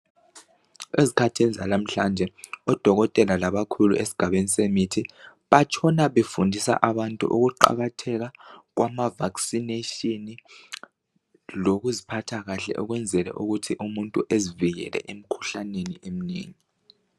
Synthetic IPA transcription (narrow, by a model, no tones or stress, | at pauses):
ezikʰatʰenizalam̩ɬand͡ʒʱɛɔd̥ʱɔɣɔtʼɛlalaβakʰulṵʔesi̥ɡ̥ʱaβenisemitʰi | βat͡ʃʰɔnaβefundʱisa̰ʔaβantʼṵʔṵɣuǃa̰ɣatʰɛɣaɣ̬wamavaksineʃini | loɣuzipʰatʰaɣaɬɛ̰ʔuɣwɛnd͡zʱɛlɛ̰ʔuɣutʰiʔumuntʼuʔeziviɣɛ̰lɛ̰ʔem̩kʰu̥ɬaneniem̩nḛːŋi